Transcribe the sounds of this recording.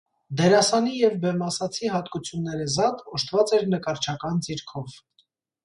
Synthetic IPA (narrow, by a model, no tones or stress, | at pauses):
d̪ɛɾɑsɑnijɛvbɛmɑsɑt͡sʰiɦɑt̪kut͡sʰjunːɛɾɛzɑt̪ɔʃt̪ʰvɑt͡sɛɾnəkɑɾt͡ʃʰɑkɑnd͡ziɾkʰɔv